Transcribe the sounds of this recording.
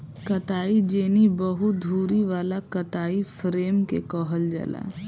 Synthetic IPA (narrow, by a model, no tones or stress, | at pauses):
kɐt̪aːid͡ʒeːnibəɦʊt̪̚d̪ʱuːɾiʋaːlakɐt̪aːifɾeːmkḛkɔːɦəld͡ʒa̰la̰